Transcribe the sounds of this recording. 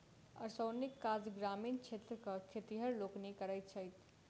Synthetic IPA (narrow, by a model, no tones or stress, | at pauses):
ə̰ɾsəwnikːad͡zɡɾamint͡ʃʰet̪ɾəkəkʰet̪iɦəɾloknikəɾəjt̪̚t͡ʃʰəjt̪ʰ